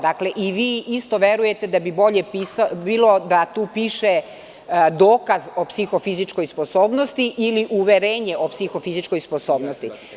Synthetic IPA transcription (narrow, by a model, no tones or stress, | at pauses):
d̪akle̞ʔiʋiːʔist̪oʋeɾujet̪ed̪abibo̞ʎepisbiːlo̞d̪at̪uːpiʃe | d̪oːkazo̞psixo̞fizit͡ʃko̞jsposoːbnost̪iʔiliʔuʋeɾeːɲeʔopsixofizit͡ʃko̞jsposoːbnost̪i